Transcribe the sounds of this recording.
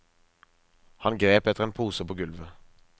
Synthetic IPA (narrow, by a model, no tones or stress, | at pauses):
hɑnɡʁeːpɛt̪əʁeːnpʰuːsəpʰoːɡʉlʋə